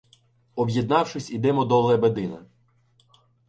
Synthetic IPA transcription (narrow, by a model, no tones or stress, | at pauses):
ɔbjed̪̚nɑwʃɪsʲid̪ɛmɔd̪ɔlˠɛbed̪ɪnɐ̰